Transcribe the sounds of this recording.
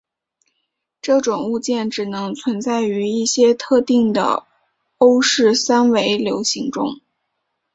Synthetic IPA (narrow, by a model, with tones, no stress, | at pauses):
ʈ͡ʂɤ˥˩ʈ͡ʂʊ˨˩ŋu˥˧t͡ɕjɛ˥˩nʈ͡ʂɻ̩˨˩nɤ˧˥ŋt͡sʰwə˧˥nt͡sa˥˩ɪy˧˥i˥˩ɕjɛ˥t̪ʰɤ˥˧t̪i˥˩ŋd̪ə̰˩ | o˥ʊʂɻ̩˥˩sa˥nwe˧˥ɪljo˧˥ʊɕi˧˥ŋʈ͡ʂʊ̰˥ŋ